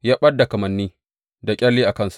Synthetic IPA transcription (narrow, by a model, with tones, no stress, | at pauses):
jaː˦ɓɐ˦dːa˨kɐ˨mɐ˨nːiː˦ | da˨kʲʼɐ˦lːiː˦ʔa˨kɐ˦nsu̥˨